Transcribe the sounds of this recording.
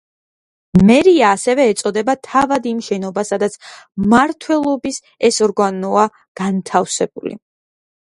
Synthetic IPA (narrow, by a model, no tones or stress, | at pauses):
mɛɾiaːsɛvɛːt̪sʼɔd̪ɛbat̪ʰavad̪imʃɛnɔbasad̪at̪sʰmaɾt̪ʰwɛlˠɔbis | ɛsɔɾɡanɔa | ɡ̥ant̪ʰafsɛb̥ulḭ